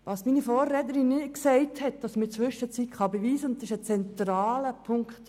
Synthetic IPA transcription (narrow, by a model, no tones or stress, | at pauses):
ʋɑsminifɔːrɛtəɾinːɪksɛɪthɛt̚d̥ɑsmət͡sʋʏʃət͡sitχɑbeʋiːsəʊnt̪ːsɪʃət͡sɛnt̪ɾɑːləpʰʊŋkχt